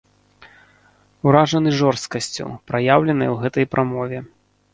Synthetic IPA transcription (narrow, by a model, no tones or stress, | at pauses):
uɾaʐɐnɨʐɔrst̪̚kɐsʲt͡sʲṵpɾajawlʲɛnɐjwɣɛt̪ɐjpɾʔamɔvʲɛ